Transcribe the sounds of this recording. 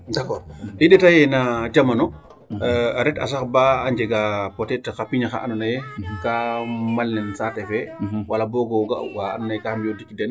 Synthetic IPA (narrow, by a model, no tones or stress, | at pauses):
dakɔːɾiɗɛtajɛnad͡ʒamanɔ | aɾɛtɐ̰s̬axbaːɲd͡ʒɛɡapɔtɛtxapiɲaxa̰ʔa̰nɔnajɛkamalnɛnsatɛfɛwalabɔɡɔwɡa̰waa̰nɔnajɛkahamjɔdikdɛn